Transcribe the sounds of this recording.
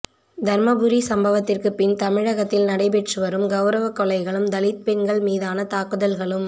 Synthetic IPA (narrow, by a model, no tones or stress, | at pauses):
d̪ʱɐɾmɐbɯɾisɐmbɐʋɐt̪ːɪrkɯpɪnt̪ɐmɪɻɐɣɐt̪ːɪlnɐɽɐɪpɛʈrɯʋɐɾɯmɡɐʊɾɐʋɐkːɔlɐɪɣɐɭɯmd̪ɐlɪt̪̚pɛnɡɐɭmiːðaːnɐt̪aːkɯðɐlɣɐɭɯm